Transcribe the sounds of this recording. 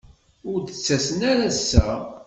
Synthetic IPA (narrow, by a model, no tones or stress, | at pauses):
ʊɾd̪ət͡sːæsənæɾæsːæ